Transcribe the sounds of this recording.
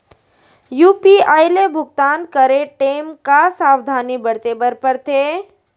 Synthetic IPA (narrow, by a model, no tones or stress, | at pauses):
juːpiajlebʱʊɡt̪aːnkəɾeʈeːmkasaːwd̪ʱaːnibəɽt̪ebəɾpəɾt̪ʰe